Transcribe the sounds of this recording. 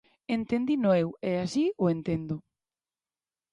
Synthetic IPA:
ent̪end̪inoeweasioent̪end̪ʊ

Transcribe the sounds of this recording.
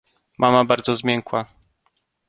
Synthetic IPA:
mʔamabaɾd̪zɔzmʲjɛŋkwa

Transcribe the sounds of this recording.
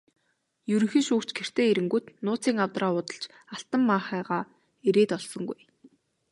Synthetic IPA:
jɵɾɵ̆ŋxĭŋʃuːkt͡ɕɡer̥t̪ʰeːeɾɘ̆ŋɡuːt̪nʊːt͡siːŋawt̪raːʊt̪ə̆ɬt͡ɕ | aɬt̪ə̆mːaχæːʁaː | eɾeːt̪ɔɮsɞ̆ŋɡuj

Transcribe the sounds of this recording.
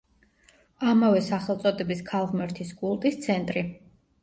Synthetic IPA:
amavɛsaχɛlˠt̪sʼɔd̪ɛbiskʰalˠʁmɛɾt̪ʰisɡʼulˠt̪ʼist̪sʰɛnt̪ʼɾi

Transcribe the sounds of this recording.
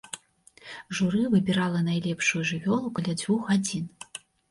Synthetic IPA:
ʐuɾɨvɨbʲiɾalˠɐnajlʲɛpʂujuʐɨvʲɔlˠukalʲad͡zʲvʲuxɣad͡zʲin

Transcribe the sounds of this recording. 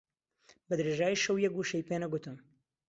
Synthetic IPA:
bɐd̪ɾeʒaːjiʃɐwjɛk̚ɡuʃejpenɐɡut̪ɨm

